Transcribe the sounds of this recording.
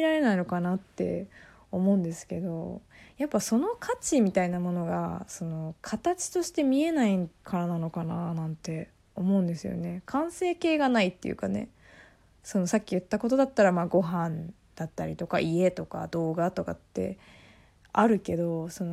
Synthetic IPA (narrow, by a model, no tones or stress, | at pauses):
iɾaɾe̞naino̞kanat̪ːe̞̰ | o̞mo̞ɯ̃nd̪e̞sɨ̥ke̞d̪o̞japːaso̞no̞kʰat͡ɕimʲit̪ainamo̞no̞ɡa̰so̞no̞kʰat̪at͡ɕi̥t̪o̞ɕi̥t̪e̞mʲie̞naikʰaɾanano̞kananãnt̪e̞ | o̞mo̞ɯ̃nd̪e̞sɨjo̞̰ne̞kʰãɰ̃se̞ːke̞ːɡanait̪ːe̞̰jɯ̟̰kane̞̰ | so̞no̞sakʲːijɯ̟t̪ːako̞t̪o̞d̪at̪ːaɾamaːɡo̞ɦãn | d̪̥at̪ːaɾʲit̪o̞ka̰ʔie̞t̪o̞ka̰d̪o̞ːɡat̪o̞kat̪ːe̞̰ | aɾɯ̟ke̞d̪o̞so̞no